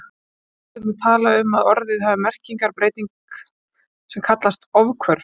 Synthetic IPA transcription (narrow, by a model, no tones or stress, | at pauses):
ɛut̪ʰaːlaʏmaðɔɾðɪðhaːvɪmɛr̥ciŋkaɾpɾeːjt̪iŋk | sɛmkʰat̪last̪ɔvkʰvœɾ̥